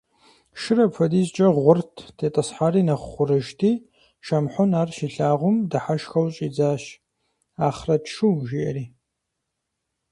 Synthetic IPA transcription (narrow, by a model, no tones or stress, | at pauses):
ʃɨrɐpfɐdiːzt͡ʃʼɐʁʷʊrtʰtʰeːtʼɐsħaːɾiːnɐχʷχʷʊrɨʒtʰiː | ʃɐmħʷʊnaːrʃiɬaːʁʷʊmdɐħaʃxɐwt͡ʃʼiːd͡zaːɕ | aːχrɐtʃuwʒiʔɐ̰riː